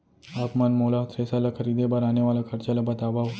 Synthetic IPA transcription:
apmanmolat̪ʰɾesalakʰəɾid̪ebaɾaneʋalakʰəɾt͡ɕaləbʱat̪abaʋ

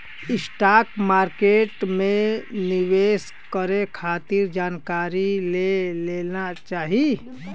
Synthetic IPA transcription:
ɪsʈaːkmaːɾkeːʈmẽnɪʋeːs | kəɾekʰaːt̪iɾd͡ʒaːnkaːɾileleːnat͡ʃaːɦi

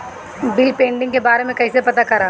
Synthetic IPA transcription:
bɪlpẽːɳɖɪ̃ŋɡkebaːɾemẽkɐɦisepɐt̪akɐɾaː

